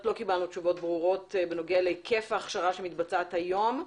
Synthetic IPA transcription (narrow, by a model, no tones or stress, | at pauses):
tlo̞kibalnutt͡ʃuvo̞t̚bʁuʁo̞tbeno̞ɡelekʰe̞faːχʃaʁaʃe̞mit̪bat͡sat̪hajo̞m